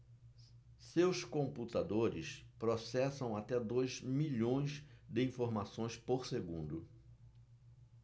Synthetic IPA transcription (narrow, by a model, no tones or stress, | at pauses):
sewskõmput̪ad̪oɾɪspɾosɛsɐ̃w̃at̪ɛd̪ojzmiʎõj̃zd̪ɪĩfoɾmasõj̃spoɾseɡũnd̪ʊ